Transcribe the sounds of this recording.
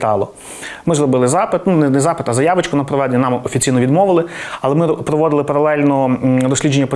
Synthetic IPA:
t̪ɑlˠɔ | mɪzɾɔbɪlˠɪzɑpɪt̪nunɛnɛzɑpɪt̪ɐzɐjɑʋɪt͡ʃkʊnɐpɾɔʋɑd̪ʲnʲinɑmɔfʲit͡sʲijnɔʋʲid̪mɔʋɪlˠɪɐlˠɛmɪpɾɔʋɔd̪ɪlˠɪpɐɾɐlˠɛlʲnɔd̪ɔsʲlʲid͡ʒenːɐpɔ

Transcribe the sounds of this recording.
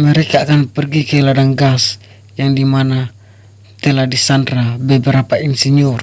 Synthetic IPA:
mɛɾɛkaːkanpɛrɡikajladaŋɡas | jaŋdimana | t̪ɛladisandɾabɛbɛɾapainsiɲɔr

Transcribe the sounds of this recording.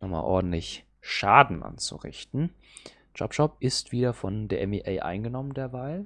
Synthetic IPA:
nɔχma̰ːlʔɔ̰ɐdn̩tlɪç | ʃaːdn̩ʔa̰nt͡sṵʁɪ̰çtn̩ | d͡ʒ̥ɔ̰pʃɔp̚ʔɪstv̥iːdɐfɔndeːɐʔɛmiʔɛɪʔa̰ɪnɡənɔməndeːɐvaːl

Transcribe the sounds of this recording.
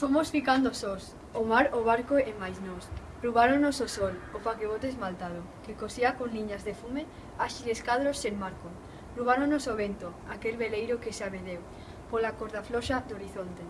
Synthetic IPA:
fomosfikand̪osos | omaɾoβaɾkoɛmajznos | ruβaɾonososɔlopakeβot̪ezmalt̪að̞o | kekosiakoŋliɲazðefume | aʃileskaðɾosenmaɾko | ruβ̞aɾonosoβent̪oakelβelejɾokeseaβeðew | polakoɾðaflɔʃad̪oɾiθont̪e

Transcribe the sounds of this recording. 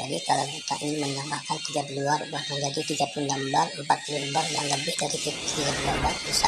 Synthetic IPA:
d͡ʒadikalawɡit̪a̰ʔiniməndaŋahkant̪id͡ʒat̪luarudahməɲd͡ʒadit̪iɡapundambarəmpat̪̚puluhəmbarjaŋləbɪhdaɾit̪iiɡat̪labarbisa

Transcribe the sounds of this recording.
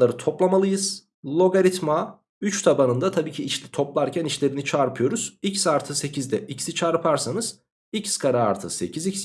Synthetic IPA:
aɾɯt̪ʰo̞plˠamalˠɯjɯz̥ | lˠo̞ɡaɾit̪ma | yt͡ʃt̪ʰabanɯnd̪at̪ʰabiːcʰiːt͡ʃlʲit̪ʰo̞plˠaɾcʰɛnit͡ʃlʲe̞ɾinit͡ʃʰaɾpʰɯjo̞ɾuz̥icsaɾt̪ʰɯse̞cʰizd̪ɛicsit͡ʃʰaɾpʰaɾsanɯz̥ | icskʰaɾaːɾt̪ʰɯse̞̰cʰizics

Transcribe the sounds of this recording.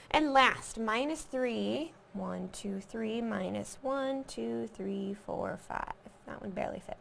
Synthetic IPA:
ʔɨ̃nlæst̚mãɪ̃nɨsθɹi | wʌ̃ntʰʉθɹimãɪ̃nɨ̰swʌ̃ntʰʉθɹifɔ̰ɹfa̰ɪv̥ðə̰ʔ̚wʌd̚bɛ̰ɹlˠḭfɪ̰t̚

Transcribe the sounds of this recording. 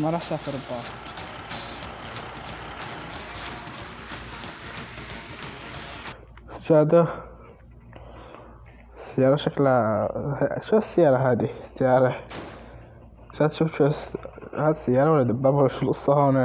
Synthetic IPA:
mɑɾˤɑːħʃafɪɾˤb̪ɑ | sd͡ʒaːd̪a | sːɪjːɑːɾˤɑʃakl | ʃḁsːɪjɑːɾˤɑɦaːd̪isɪjɑːɾˤɑ | ʃaːd̪ʃuːfʃshaːd̪sɪjːɑːɾˤɑwalːad̪abːaːbwlːaʃʊlʊsˤːɑhoːna

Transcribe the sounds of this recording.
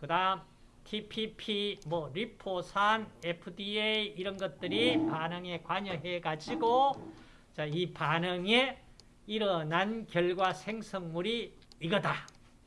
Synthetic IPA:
kɯdam | tʰipʰipʰimwʌɾipʰosʰanepʰudieiiɾʌnɡʌt̚t͈ɯɾipanɯŋe̞kwaɲʌɦe̞ɡad͡ʑiɡo | t͡ɕaipanɯŋe | iɾʌnankjʌɭɡwasʰeŋsʰʌŋmuɾiː | ɡʌta

